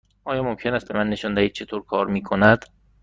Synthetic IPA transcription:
ʔɒːjɒːmomcʰenæːst̪̚be̞mænːe̞ʃɒnd̪æhiːd̪̚t͡ʃʰe̞t̪ʰoːɾkʰɒːɾmiːkʰonæd̪̥

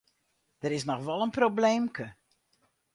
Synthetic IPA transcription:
d̥əɾɪs̬nɔxʋɔlˠənprobleːmkʰə

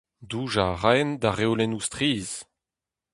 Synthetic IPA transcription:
duːʒaʁand̪aʁewlɛnustχiːz

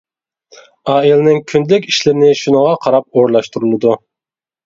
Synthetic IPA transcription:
ɑːilnɪŋkʲʰynd̪lɪkʲi̥ʃlɪɾnɪʃunəʁɑqʰɑɾɑp̚oɾlˠɑʃt̪uɾulˠɨd̪u

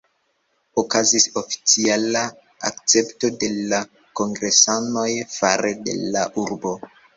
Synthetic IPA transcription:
okazisofi̥t͡siala | a̰k̚t͡se̞pto̞de̞la | ko̞ŋɡɾe̞sano̞jfaɾede̞̰laʔuɾbo̞

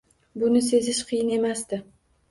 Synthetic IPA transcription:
bʊnɪse̞zɪʃqʰɨjɪne̞mast̪ɪ

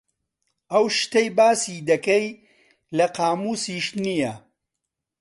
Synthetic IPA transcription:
ʔɐwʃt̪ejbaːsid̪ɐkɐj | lɐqaːmuːsiʃnijɐ

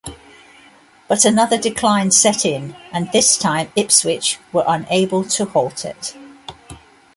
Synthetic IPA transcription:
b̥ʌtənʌðədɪkʰl̥ãɪ̃nsɛtʰɪ̃nʔə̃nðɪstʰãɪ̃mɪpswɪt͡ʃwəɹʔə̃neɪbəlˠtʰəhɔlˠtʰɪ̰t

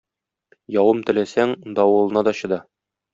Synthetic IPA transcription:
jɒwɤmt̪ɘ̆læsæŋd̪ɒwɤ̆lˠɤ̆nɑd̪ɒɕɤ̆d̪ɑ

